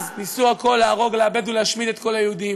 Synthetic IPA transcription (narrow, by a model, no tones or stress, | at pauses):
znisuako̞lːeaʁo̞ɡleabe̞d̪uleaʃmid̪e̞t̪ko̞lajeud̪im